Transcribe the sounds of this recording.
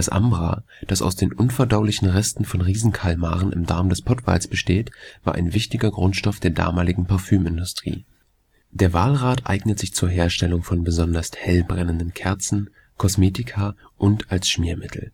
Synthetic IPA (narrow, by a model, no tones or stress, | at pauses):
d̥asʔa̰mbʁa̰ | d̥asa̰ʊsd̥eːnʔʊnfɛɐdaʊlɪçn̩ʁɛstn̩fɔnʁiːzn̩kʰalma̰ːʁənʔɪ̰mda̰ɐmdɛspʰɔtv̥a̰ːlsb̥əʃteːtv̥aːɐʔaɪnvɪçtɪɡɐɡʁʊntʃtɔfd̥eːɐda̰ːmaːlɪɡŋ̩pʰaɐfyːmɪndʊstʁ̥ḭː | d̥eːɐvaːlʁaːtʔa̰ɪɡnətz̥ɪçt͡suːɐɦeːɐʃtɛlʊŋfɔnbəzɔndɐsthɛlbʁɛnəndənkʰɛɐt͡sn̩ | kʰɔsmeːtɪkʰaː | ʔʊntalsʃmiːɐmɪtʰl̩